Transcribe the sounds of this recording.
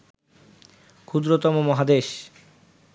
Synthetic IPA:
kʰud̪ɾot̪ɔmomɔɦad̪eʃ

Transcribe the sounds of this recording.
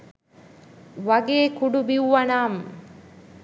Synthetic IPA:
ʋɐɡeːkuɖubiwʋɐnaːm

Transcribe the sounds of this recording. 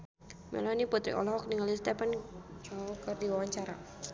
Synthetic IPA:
mɛ̰lɔniput̪ɾḭʔɔ̰lɔɦɔk̚niŋalist̪ɛpant͡ʃaukərdiwawaɲt͡ʃaɾa̰

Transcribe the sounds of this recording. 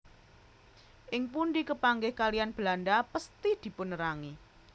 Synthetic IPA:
ʔɪŋpunɖikəpaŋɡɪhkalijanb̥əlanɖapəst̪id̪̥i̤pʊnɾaŋi

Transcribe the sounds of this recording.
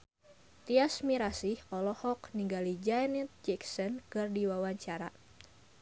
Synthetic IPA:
t̪iasmiɾasihʔɔlɔhɔkniŋɡalid͡ʒanɛt̪̚d͡ʒɛksɔnkɨrdiwawaɲt͡ʃaɾa̰

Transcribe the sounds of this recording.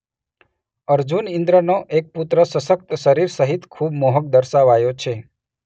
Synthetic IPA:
əɾd͡ʒunɪ̃nd̪ɾənoʔek̚put̪ɾəsəʃək̚t̪ʃəɾiɾsəɦit̪kʰubmoɦək̚d̪əɾʃaʋajot͡ʃʰe

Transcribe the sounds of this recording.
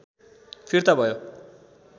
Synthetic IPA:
pʰirt̪abʱʌjo

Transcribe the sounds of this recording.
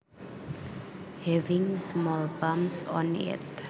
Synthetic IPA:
hɛvĩŋsmɔlbãmsɔ̰̃nɛ̰t

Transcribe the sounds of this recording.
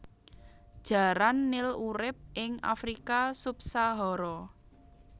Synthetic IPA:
d̥ʒ̥a̤ɾanːɪluɾɪp̚ʔɪŋa̰fɾikasup̚saɦɔɾɔ

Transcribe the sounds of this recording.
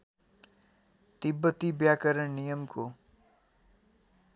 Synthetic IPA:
t̪ɪbːət̪ibjaːkəɾəɳnijəmko

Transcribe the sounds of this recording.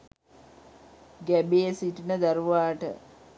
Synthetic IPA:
ɡæbeːsiʈinəd̪aɾuʋaːʈə̰

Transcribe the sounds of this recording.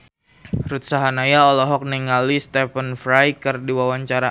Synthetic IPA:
ɾut̪̚saɦanajaɔlɔɦɔk̚nɛŋalist̪ɛfənfɾajkərdiwawaɲt͡ʃaɾa

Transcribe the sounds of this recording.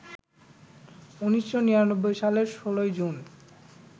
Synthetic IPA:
uniʃːoniɾanobːojʃaleɾʃolojd͡ʑun

